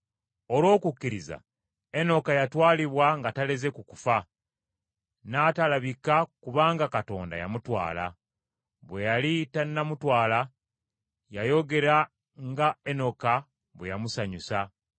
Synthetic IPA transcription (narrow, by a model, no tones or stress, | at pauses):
olwo̞ːkukːiɾiza̰ | e̞no̞kajatwaːliβwaŋɡataleze̞kukufa | naːtalaβikakuβaːŋɡakato̞̰ːnda̰ja̰mutwa̰ːla̰ | βwe̞jalitanːamutwaːla | jajo̞ɡe̞ɾa | ŋɡaeno̞ka | βwejamusaɲusa